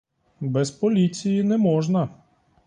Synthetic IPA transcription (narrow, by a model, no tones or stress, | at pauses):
bɛspɔlʲit͡sʲijinɛmɔʒnɐ